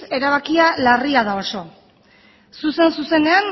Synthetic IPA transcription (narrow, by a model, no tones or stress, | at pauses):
e̞ɾaβ̞akialariaðao̞so̞ | suse̞nsuse̞ne̞an